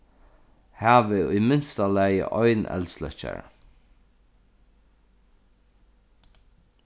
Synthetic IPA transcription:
hæːʋɪʊjmɪnst̪alæjə̰ʔɔʏnɛ̰lslœ̰t͡ʃa̰ɹ

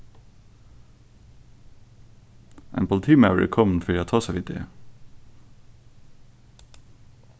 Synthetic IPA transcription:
ʔḛːnpʰʊlt̪ʰiːmaʉə̰kʰɔmn̩fœɾæːoːt̪ʰɑːsaʋɪːd̪ḛ

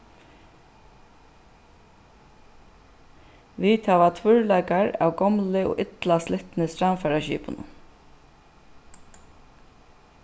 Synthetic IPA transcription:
ʋit̪hæʋat̪ʰvʏɹlaɪkaɹa̰ːwɡɔmlɪo̰ːʔɪt̪laslɪht̪nɪsɾamfæːɹaʃḭːpʊnʊ̰

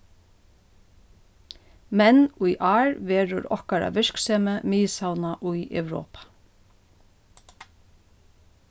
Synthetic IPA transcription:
mɛnʊjʔɑːɹʋeːɹʊ̰ɾɔ̰hkaɾa̰ʋɪʃkseːməmiːsawnaʔʊjœ̰wɾo̰ːpḁ

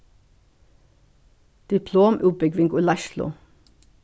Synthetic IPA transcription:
d̪̥ɪpʰloːmʔʉːbʏɡʋɪŋɡʊlɑʃlʊ̰

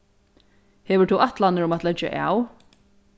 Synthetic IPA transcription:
hɛvət̪ʰɔwʔaht̪lanəɾʊmat̪lɛd͡ʒa̰ʔa̰ːw

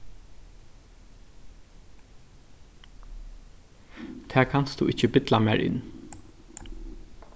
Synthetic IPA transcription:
t̪ʰɛːkʰanst̪ṵʔɪc͡çəbɪt̪lamæ̰ːɹʔɪ̰n

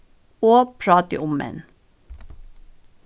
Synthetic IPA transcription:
oːpʰɹɑːt̪ə̰ʔʊmɛ̰n

